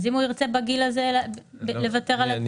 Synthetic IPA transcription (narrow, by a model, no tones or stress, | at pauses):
zimuiʁt͡se̞baɡilazelble̞vate̞ʁal